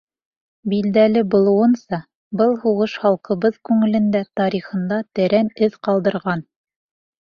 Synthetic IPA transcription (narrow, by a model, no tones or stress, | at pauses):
bild̪ælɘbulˠɤ̆wɤ̆nsɑ | bɤlˠhuʁɤʃχɑlˠqɤ̆βɤðkʉŋɘ̆lɘ̆nd̪æt̪ɑɾiχɤ̆nd̪ɑt̪ɘ̆ɾænɘðqɑlˠd̪ɤ̆ɾʁɑn